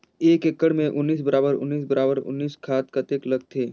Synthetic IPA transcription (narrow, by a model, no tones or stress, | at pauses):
eːkekːəɽmẽʔʊnːiːs̬bəɾaːbəɾʊ̰nːiːs̬bəɾaːbəɾʊ̰nːiːskʰaːt̪kɐt̪eːkləɡ̚t̪ʰeː